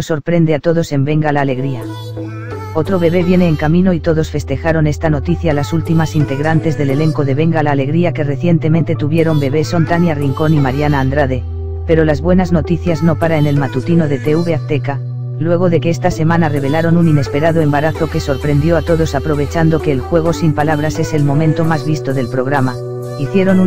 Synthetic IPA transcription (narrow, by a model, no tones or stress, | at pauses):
oso̞ɾpɾe̞nd̪e̞at̪o̞ðo̞se̞mbe̞ŋɡalaːle̞ɣɾia | o̞t̪ɾo̞βe̞βe̞β̞je̞ne̞ːŋkamĩno̞it̪o̞ðo̞sfe̞st̪e̞xaɾo̞ne̞st̪ano̞t̪iθjalasult̪imasint̪e̞ɣɾant̪e̞zðe̞le̞le̞ŋko̞ðe̞β̞e̞ŋɡalaːle̞ɣɾiake̞re̞θje̞nt̪e̞ment̪e̞t̪uβje̞ɾo̞mbe̞βe̞sont̪anjariŋko̞nimaɾjanaːnd̪ɾaðe̞ | pe̞ɾo̞lazβwe̞nazno̞t̪iθjazno̞paɾae̞ne̞lmat̪ut̪ino̞ðe̞t̪e̞uβe̞akt̪e̞ka | lwe̞ɣ̞o̞ðe̞ke̞est̪ase̞mãnare̞β̞e̞laɾo̞nunine̞spe̞ɾaðoembaɾaθo̞ke̞so̞ɾpɾe̞nd̪jo̞at̪o̞ðo̞sapɾo̞β̞e̞t͡ʃand̪o̞ke̞ːlxwe̞ɣ̞o̞simpalaβɾase̞se̞lmõ̞mẽ̞nt̪o̞mazβist̪o̞ðe̞lpɾo̞ɣ̞ɾama | iθje̞ɾo̞nu